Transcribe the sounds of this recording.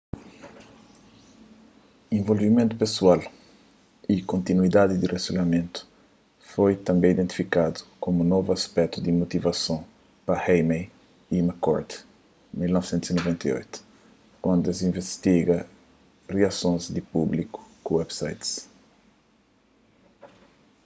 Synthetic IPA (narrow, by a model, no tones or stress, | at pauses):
ẽvolvimẽnt̪upesual | ikõnt̪inuid̪ad̪id̪iresolɐmẽnt̪u̥ | fojt̪ɐ̃mbẽj̃id̪ẽnt̪i̥fikad̪u̥komunɔvuɐspɛk̚t̪ud̪imot̪ivɐsɐ̃w̃ | pɐhejmej | imakɔɾt̪ | milnɔvsẽnt̪uzinovẽnt̪ɐjo̰jt̪u̥ | kwɐ̃nd̪ɐs̬ĩvest̪iɡɐ | riasõj̃zd̪ipubliku̥kuwɛbsa̰jt̪s